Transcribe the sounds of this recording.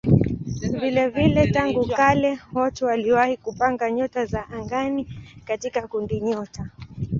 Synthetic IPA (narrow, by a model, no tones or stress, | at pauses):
vilɛvilɛtaŋɡukalɛwɔtɛwaliwahikupaŋɡaɲɔtazaʔaŋɡanikatikakundiɲɔta